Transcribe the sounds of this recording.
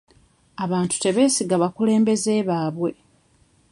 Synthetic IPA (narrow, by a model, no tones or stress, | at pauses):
aβaːntu̥te̞βe̞ːsiɡaβakule̞ːmbe̞ze̞ːβaːβwe̞